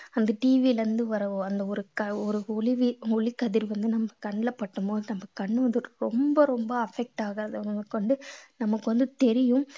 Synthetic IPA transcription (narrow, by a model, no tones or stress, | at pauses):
ɐnd̪ɐʈiːʋilɐɐnd̪ɯʋɐɾɐɐnd̪ɐɔɾɯkɐɔɾɯɔɭɪʋiɔɭikːɐðɪɾʋɐnd̪ɯnɐmbɐkɐɳːɪlɐpːɐʈːɯmboːðɯnɐmbɐkɐɳːɯʋɐnd̪ɯɾɔmbɐɾɔmbɐɐfɛk̚ʈaːɣɯɾɐðɯɐkːɔɳɖɯnɐmːɐkːɯʋɐnd̪ɯt̪ɛɾɪjɯ̃m